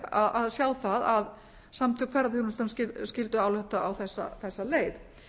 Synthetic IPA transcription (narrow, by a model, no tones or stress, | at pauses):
aðaðsjaːwθaðað | samt̪ʰʏkʰvɛɾːaθɪnʏst̪anscɪscɪlt̪ʏawlɛht̪aawθɛsːa̰θɛsːaleːjð